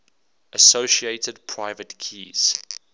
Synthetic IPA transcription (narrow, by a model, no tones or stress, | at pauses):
ʔəsoʊʃieɪtədpʰɹaɪvətkʰiːz̥